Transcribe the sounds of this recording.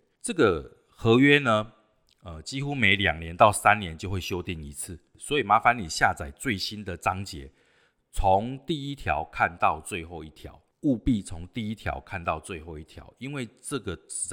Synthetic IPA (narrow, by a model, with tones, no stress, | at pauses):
ʈ͡ʂɤ˥˩ɡə˨˩ | xɤ˧˥ɥɛ˦nə˧ | ə˨t͡ɕi˦xu˦me˧˥ɪlja̰˨˩ŋnjɛ˨˦nt̪ɑ˥˩ʊsa˦nnjɛ˨˦nt͡ɕjo˥˧ʊxwe˥˩ɪɕjo˥˦ʊt̪i˥˩ŋi˨˦˥t͡s̩ʰ˥˩ | swɔ˧˥i˨˩ma˨˥fa˧˦ni˨˩ɕja˥˨t͡sa˨˩ɪt͡swe˥˩ɪɕi˦nd̪ə˨t͡sɑ˦ŋt͡ɕjɛ̰˨˦ | t͡sʰo˨˦ŋt̪i˥˨i˦t̪ʰjɑ̰˨˦ʊkʰa˥˧nt̪ɑ˥˧ʊt͡swe˥˧ɪxo˥˧ʊi˥˩t̪ʰja̰˨˧˦ʊ | u˥˧pi˥˩t͡sʰo˧˥ŋt̪i˥˩i˦˥t̪ʰjɑ̰˧˥ʊkʰa˥˧nt̪ɑ˥˧ʊt͡swe˥˧ɪxo˥˧ʊi˥˩t̪ʰjɑ̰˨˦ʊi˦nwe˥˩ɪʈ͡ʂɤ˥˩ɡə˩˨˥